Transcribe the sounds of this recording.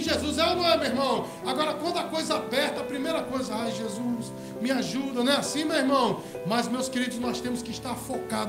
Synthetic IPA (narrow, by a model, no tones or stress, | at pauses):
ʒezuzɛlɐnɐ̃w̃ɛmeiɾmɐ̃w̃ | aɡɔɾɐkwɐ̃d̪ʊɐkojzɐabɛɾt̪ɐːpɾimejɾɐkojzɐajʒezus | mɪaʒud̪ɐnɛasĩmewiɾmɐ̃w̃ | mɐzmewskeɾid̪ʊznɔst̪ẽmʊskɪiʃt̪aɾfokad̪